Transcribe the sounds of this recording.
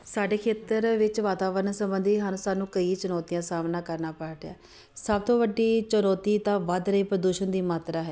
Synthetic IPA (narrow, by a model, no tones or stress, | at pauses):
saːɖeːkʰeːt̪əɾʋɪt͡ʃʋaːt̪aːʋəɾənsəmbənd̪ʱiːɦansaːnũːkəiːt͡ʃənɔːt̪ijãːsaːmnaːkəɾnaːpaːʈja̰ː | səb̚t̪õːʋəɖːiːt͡ʃənɔːt̪iːt̪ãːʋəd̪ɾəiːpɾəd̪uːʃənd̪iːmaːt̪ɾaːɦɛː